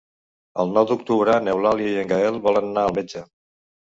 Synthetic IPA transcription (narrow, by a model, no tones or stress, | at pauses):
ə̰lˠnɔwd̪uk̚t̪uβɾənewlaljəiəŋɡəɛlˠβɔlənnaəlˠmed͡ʒə